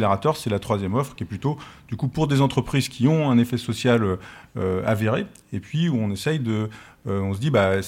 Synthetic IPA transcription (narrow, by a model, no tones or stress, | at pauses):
leʁat̪œʁsɛlat̪χwazjɛmɔfχkʲiɛplyt̪od̪̥ykupuʁd̪ezɑ̃t̪χəpχizkʲʰiɔ̃ɛ̃nefɛsɔsjaløøa̰veʁe | epɥiuɔ̃nesɛjd̪ə | ɔ̃s̬əd̪iba